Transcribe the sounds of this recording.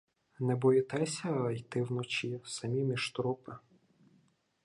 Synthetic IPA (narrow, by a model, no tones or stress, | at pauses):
nɛbɔjɪt̪ɛsʲɐjt̪ɪwnɔt͡ʃisɐmʲimʲiʃt̪ɾɔpɪ